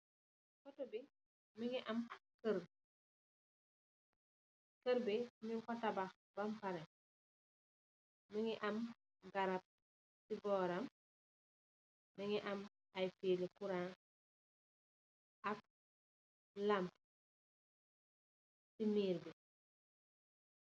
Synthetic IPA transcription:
kɔtɔbi | miŋiʔɐmkəɾ | kəɾbimiŋkɔtɐbɐx | bɐmpɐɾɛ | miŋiʔɐm | ɡɐɾɐp̚ | sibɔːɾɐm | miŋiʔɐm | ɐjfiːlikuɾa | ʔɐk̚ | lɐmp | simiːɾbi

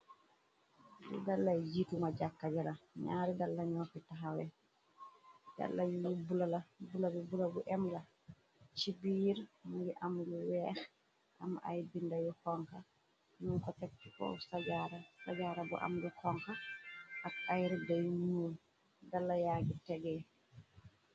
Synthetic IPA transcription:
dɛ̰dalːajd͡ʒitumaɟakːaɟalaɲaːɾidalːaɲɔːkitaɦawɛ | ja̰lːajujubulalabulabibulabuʔɛmla | t͡ʃibiːɾmujiʔamluwɛːx | ʔamʔa̰jbindajukɔŋka | nuŋkɔtɛk̚tukɔ̰wsaɟaɾasaɟaːɾabṵʔa̰mjukɔŋkaakʔajɾidɛjnuːl | dalːajaːɡitɛɡɛ

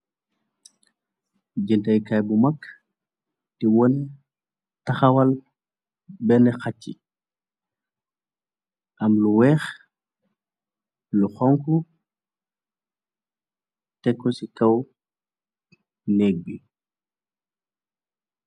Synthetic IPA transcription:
d͡ʒintɐjkajbumɐkː | tiwɔn | tɐxɐwɐl | bɛnɛxacːḭ | ʔɐmluwɛːx | luxɔŋku | tɛkːɔsikɐw | nɛːk̚bi

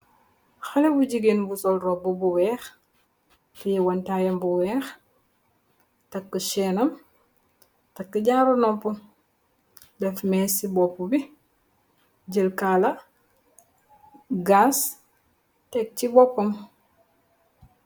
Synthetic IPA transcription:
xɐlɛbuɟiɡinbusɔlrɔbubuwɛːx | fijɛwɐntaːjɐmbuwɛːx | tɐkːəʃɛːnɐm | tɐkːəɟaɾonɔmpu | dɛfmɛːsibɔpːubi | ɟəlkaːlɐ | ɡas | tɛk̚cibɔpːɐm

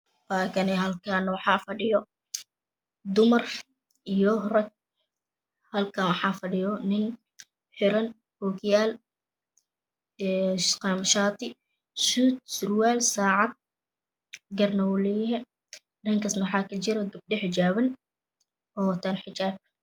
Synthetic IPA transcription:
baːkʰɐnɛɦɐlkʰanwɑħɑːfɐɖɪjɔ | d̪ʊmɐr | ʔijɔrɐɡ̚ | hɐlkʰɐnwɑħɑːfɐɖɪjɔnɪn | ħɪɾɐn | hɔːɡjaːl | qɑmʃaːt̪ʰɪ | suːt̪̚sʊrwaːlsaːʕɑd̪̚ | ɡɐrnɐwʊlɛhɛ | ɖɐŋkʰɐsnħɑːkʰɐt͡ʃɪɾɐɡɐb̚ɖɪħɪt͡ʃaːβɐn | ʔɔːt̪ʰanħɪt͡ʃaːb̚

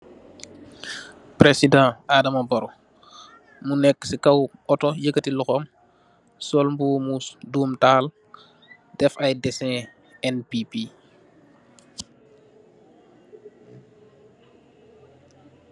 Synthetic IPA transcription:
pɾesidãːadɐmɐbɐɾɔ | munɛkːsikɐwɔtɔjəkːətiluxɔm | sɔlmbuːmusduːmtaːl | dɛfɐjdɛsɛ̃ | ɛnpipi

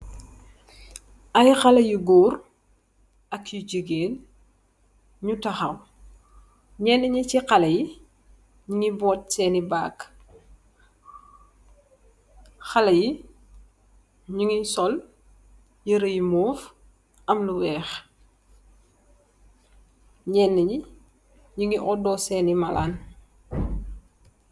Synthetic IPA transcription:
ʔɐjxɐlɐjuɡuːr | ɐkjuɟəɡeːn | ɲutɐxɐw | ɲɛːnːɛɲɐciqɐlɐji | ɲuŋibɔːt̚sɛːnibaːk | xɐlɐji | ɲuŋisɔl | jəɾəjimuːf | ɐmluwɛːx | ɲɛːnːəɲi | ɲuŋiʔɔdɔsɛːnimɐla̰ːn

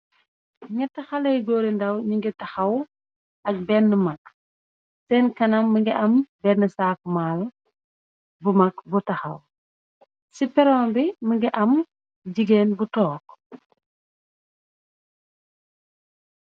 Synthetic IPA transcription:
ŋɛtːɐxɐlɐjɡɔːɾindɐwɲuŋɡitɐxɐw | ɐk̚bɛnːəmɐk | sɛːnkɐnɐmːəŋɡiʔɐmbɛnːəsaːkumaːl | bumɐkbutɐxɐ̰w | sipɛɾɔːmbiməŋɡiʔɐm | ɟiɡeːnbutɔːk

